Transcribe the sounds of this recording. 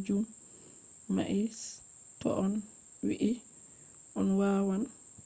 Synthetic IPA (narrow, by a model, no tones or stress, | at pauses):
d͡ʒum | ma̰ʔis | tɔ̰ʔɔn | wḭʔi | ʔɔnwaːwan